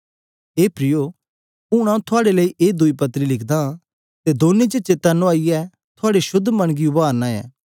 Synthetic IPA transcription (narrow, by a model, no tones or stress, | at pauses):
eːpɾɪjo | ʊ̃ɽ̃ãũt̪ʰʊaːɽeləːiʔeːd̪ʊipɐt̪ːɾilɪkʰd̪ã | t̪ed̪oːnet͡ʃet͡ʃeːt̪ɐnoaːiɛ | t̪ʰʊaːɽeʃʊd̪ʱːmɐ̃ɽ̃ɡiʊbaːɾnãːɛ̰ː